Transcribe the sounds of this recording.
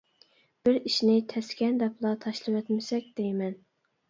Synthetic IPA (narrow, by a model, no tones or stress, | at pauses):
b̥ɪɾiʃnɪt̪ʰɛskʲɛnd̪ɛplˠɑt̪ʰɑʃlˠɨwɛt̪mɪsɛkʲd̪̥ejmɛn